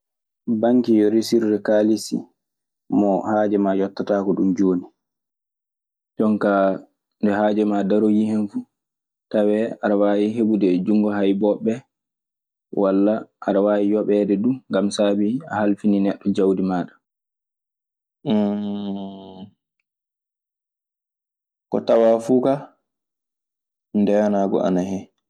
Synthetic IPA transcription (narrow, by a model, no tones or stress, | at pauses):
baŋkijɔɾisiɾdɛkaːlisḭ | mɔhaːd͡ʒɛmajɔtːataːkɔɗumd͡ʒoːni | d͡ʒɔŋka | ndɛɦaːd͡ʒɛmadaɾojihɛnfu | tawɛaɾawaːjiɦeɓudɛd͡ʒuŋɡɔɦajbɔɓɛ | wʔalːaʔːɾawaːwijɔɓɛdɛduŋɡamsaːbia̰halfininɛɗːɔd͡ʒawdimaːɗḁ | kɔ̰tawafuːka | ndɛjanaːɡɔ̰ʔa̰nahɛ